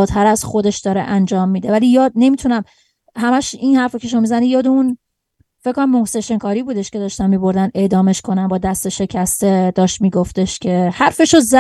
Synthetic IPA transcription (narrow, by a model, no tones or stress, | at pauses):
t̪ʰæɾæz̥xo̞d̪e̞ʃd̪̥ɒːɾḛʔænd͡ʒɒːmːiːd̪e̞væliːjɒːd̪̚ne̞mit̪ʰunæm | ɦæmæʃinhæɾfocʰe̞ʃ̬omːmizænijɒːd̪eun | feckʰːonæmːohseʃeŋkʰɒːɾibuːd̪e̞ʃce̞d̪ɒːʃt̪ænmːiːbo̞ɾd̪ænd̪e̞d̪ɒːme̞ʃkʰo̞nænbɒːd̪æst̪eʃe̞cʰæst̪e̞d̪ɒːʃt̪miːɡoft̪e̞ʃcʰe̞hæɾfe̞ʃozæ